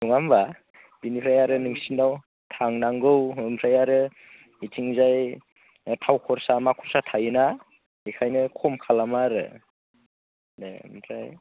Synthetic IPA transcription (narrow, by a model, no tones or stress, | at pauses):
nuŋamba | binipʰɾajaɾɯnɯŋsinaw | tʰaŋnaŋɡɯwɯmpʰɾajaɾɯ | itʰiŋzaj | tʰawkʰɔɾsamakʰɔɾsatʰajɯna | ikʰajnɯkʰɔmkʰalamaɾɯ̰ | mpʰɾaj